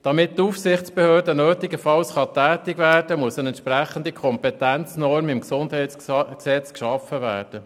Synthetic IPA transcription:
d̥ɑmɪt̚tuːfsɪχtt͡sb̥ɛhøːɾdənøːtɪɡəfɑlsχɑt̪æːtɪɡʋæːrdəmuəsənɛnt̪ʃpræχən̩dikʰɔmpɛt̪ænt͡snɔrmɪmksʊndhɛɪsksɛt͡skʃɑfəʋæːrd̥ə

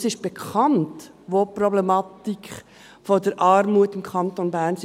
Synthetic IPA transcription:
sɪʃb̥ekʰɑnt | ʋoːprɔblɛmɑt̪ik | fodəɾʔɑːɾmuətɪmkʰɑntonbæːɾns

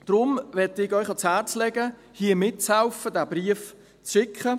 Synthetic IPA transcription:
d̥ɾʊmʋɛtɪɡœʏχɑt͡shæːɾt͡slɛɡə | hiːəmɪt̚t͡shaʊfədæːbɾiəf | t͡sʃɪkχə

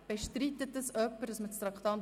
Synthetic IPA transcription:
b̥eʃtrit̪ːət̚dəsœpːəɾdɑsmət͡st̪ɾɑkt̪ɑn

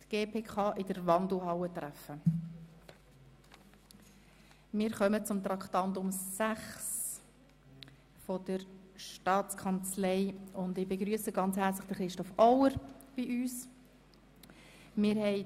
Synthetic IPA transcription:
tɡ̥eːpʰeːkʰɑːʔɪdəɾvɑndl̩ˠɦɑwətɾæfə | mɪːɾχœmət͡sʊmt̪ɾɑktɑndʊmsæχs | fɔd̥əɾʃtɑːt͡skʰɑnt͡slɛɪʊndɪbeɡɾyəsəɡɑnt͡shæːɾt͡slɪ̥χd̥əχɾɪʃtɔfɔwəɾb̥iʔyːs | mɪːɾhɛɪ

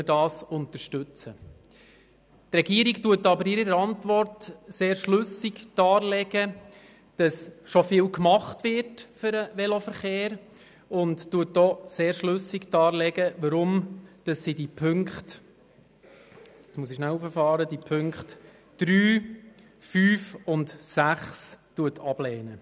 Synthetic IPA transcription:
ədɑːsʊntəɾʃtʉt͡sə | trɛɡiəɾiktuətɑbəɾɪɾiɾəɾɑntʋɔrtseːɾʃlɵsɪkd̥ɑːlɛɡ̥ə | d̥ɑsʃɔfɪːlkmɑχtʋɪɾtfʏɾəʋɛlofəɾχeːɾ | ʊnttuət̚dɔːseːɾʃlʉsɪkdɑːlɛɡəʋəɾʊmd̥ɑsːidipʰʏŋkχt | jɛt͡smuəsiʃnælufəfɑːɾədipʰʏŋkχt | d̥ɾyː | fyːfʊntsæχstuətʰɑb̥lɛːnə

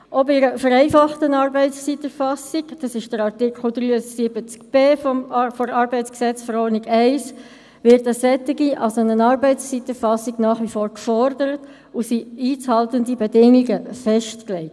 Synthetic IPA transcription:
ʔɔbɪɾəfəɾɛɪfɑχtənɑːɾbɛɪst͡sitəɾfɑsiɡd̥ɑsɪʃd̥əɾɑʁtɪkχl̩d̪ɾyːəsɪbət͡skb̥eːfɔmfoɾɑːɾbɛɪt͡sksɛt͡sfɔɾɔːniɡɛɪs | ʋɪɾtəsɛtːiɡiʔɑ̰lsonənɑːɾbɛɪtt͡sst͡siːtəfɑsiɡnɑːχʋifɔːɾkfɔɾdəɾət | usiiːt͡shɑltəndibedɪŋiɡəfɛʃtklɛɪt

